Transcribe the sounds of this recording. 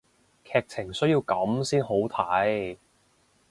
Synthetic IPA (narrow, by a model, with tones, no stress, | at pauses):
kʰɛː˧k̚t͡sʰɪ˨˩ŋsɵ˥ji˧wkɐ˨˥msiː˥nɦo˨˥wt̪ʰa˨˥j